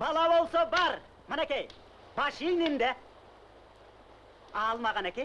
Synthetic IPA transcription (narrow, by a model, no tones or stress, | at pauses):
bɑlˠɑbolˠsɑbɑɾ | mənekʲej | bɑʃijnind̪e | ɑlˠmɑʁɑnekʲej